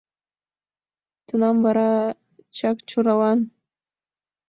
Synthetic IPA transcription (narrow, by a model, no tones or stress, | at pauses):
t̪ʰunɑmbɑɾɑ | t͡ʃʰɑkt͡ʃuɾɑwɑn